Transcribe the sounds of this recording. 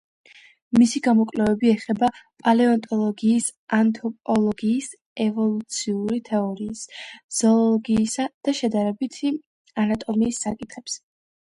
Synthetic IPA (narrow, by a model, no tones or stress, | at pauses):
misiɡamɔkʼlɛvɛbiɛχɛbapʼalɛɔnt̪ʼɔlˠɔɡiːsant̪ʰɔpʼɔlˠɔɡiːs | ɛvɔlˠut̪sʰiuɾit̪ʰɛɔɾiːsz̥ɔlɔɡiːsad̪̥aʃɛd̪aɾɛbit̪ʰ | anat̪ʼɔmiːsːakʼit̪ʰχɛps